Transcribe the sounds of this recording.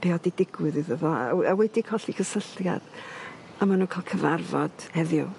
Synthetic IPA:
b̥eːɔdidɪɡwɨðɨðəðɔa̰awɛdikʰɔɬikʰəsəɬja̰d̥ | amanuːkʰalˠkʰəvarvɔd̥hɛðjʊ̰

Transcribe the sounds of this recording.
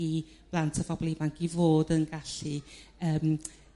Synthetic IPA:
i | b̥lˠantʰəvɔblˠimanɡivoːdənɡaɬiəːm

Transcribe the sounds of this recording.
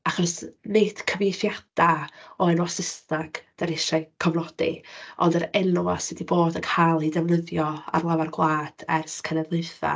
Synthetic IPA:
aχɔrsned̥kʰəvɪθjad̥aɔɛnwasɪsnaɡ̥d̥aɾɪʃaɨkʰɔvnɔd̥ḭɔ̰ndəɾɛnuasɪdiboːdəkʰalˠidɛvnəðjɔa̰rlˠavarɡlˠaːd̥ɛrskʰɛnɛvlˠɨθa̰

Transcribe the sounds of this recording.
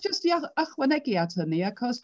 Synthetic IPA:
ʒ̥əstiaaχwənɛɡiatʰhəniakʰɔs

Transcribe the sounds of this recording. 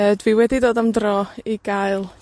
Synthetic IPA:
ədviwɛdidoːdamdrɔiɡ̥aɨlˠ

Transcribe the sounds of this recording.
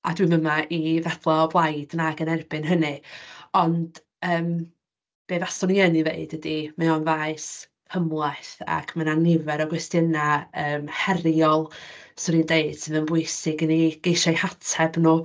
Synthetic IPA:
a̰dwiməmaʔivɛθlˠɔblˠajd̥naɡənɛrbɨnɦənɨɔnd̥ | əːm | b̥eːðasɔniənivḛɨd̥ədimɛɔnvaɨs | həmlˠajθa̰kʰmənanːɪvɛɾɔɡwɛstjənaəːmhɛrjɔlˠsɔɾindeɨd̥sʰɪmənbʊɨsɪɡəniɡ̥ejʃajhatʰɛbnu

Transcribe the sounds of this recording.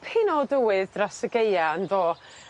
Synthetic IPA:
pʰɪnɔdəwɨðdrasəɡejaənðoː

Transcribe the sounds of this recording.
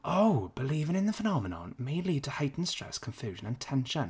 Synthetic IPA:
ʔoʊb̥ɪliːvɪ̃ŋɪ̃nðəfənɒmənə̰̃nmeɪliːd̚tʰəhaɪʔn̩stɹ̥ɛ̰skʰə̃ɱfjʉːʒə̃nə̃ntʰɛ̃nʃə̃n

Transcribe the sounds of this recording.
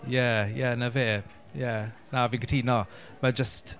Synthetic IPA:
jɛjɛnəveː | jɛnavinɡʰətʰiːnɔ | məd͡ʒəst

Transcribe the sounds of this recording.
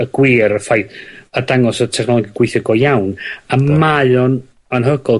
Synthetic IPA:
əɡ̥wiːɾəfajθədaŋɔsətʰɛχnɔlˠɔɡiɡ̥wɪjθəɡɔjawnamajɔn | anɦəɡɔlˠ

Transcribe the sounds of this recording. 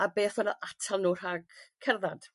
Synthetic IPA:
abeːθɔnəʔatʰalˠnuːr̥aɡ̥kʰɛrðad̥

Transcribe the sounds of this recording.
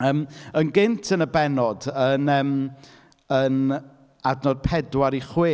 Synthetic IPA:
əːmənɡɪntʰənəbɛnɔdənəːm | ən | adnɔd̥̚pʰɛdwaɾiχwɪː

